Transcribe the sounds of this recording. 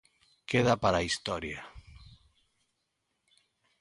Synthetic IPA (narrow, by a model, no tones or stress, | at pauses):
keðapaɾaist̪ɔɾja